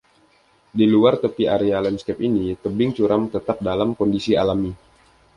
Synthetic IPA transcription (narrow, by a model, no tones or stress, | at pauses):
diluart̪əpiaɾealɛnskɛp̚init̪əbɪŋt͡ʃuɾamt̪ət̪ap̚dalamkɔndisialami